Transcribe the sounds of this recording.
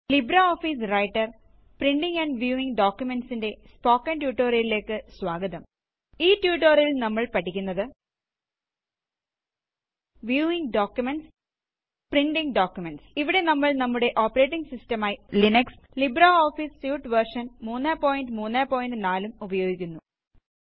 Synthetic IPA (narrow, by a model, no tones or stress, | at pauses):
libɾaoːfis̬rɐjʈːɐr | priɳɖiŋɡɐɳɖʋjuːiŋɡɖoːkjumenɖsinde̞spo̞ːkːɐntjuːʈːoːrilile̞ːkːɨsʋaːɡɐðɐm | iːtjuːʈːoːɾilnɐmːɐɭpɐʈːikʲːunːɐðɨ | ʋjuːiŋɡɖoːkjumeɳʈs | priɳɖiŋɖoːkjumeɳʈsiʋiɽe̞nɐmːɐɭnɐmːuɽe̞ʔo̞ːpːɐɾe̞ːʈːiŋɡsistɐmaːjilinɐks | libɾaoːfisːjuːʈʋɐrʂɐnmuːnːaːpo̞ːjinɖɨmuːnːaːpo̞ːjinɨnaːlumubɐjo̞ːɡikʲːunːu